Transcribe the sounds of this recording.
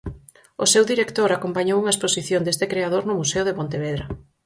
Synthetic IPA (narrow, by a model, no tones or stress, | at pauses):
osewðiɾekt̪oɾakompaɲowuŋɐesposiθjond̪est̪ekɾeaðoɾnʊmuseʊðepont̪eβeðɾɐ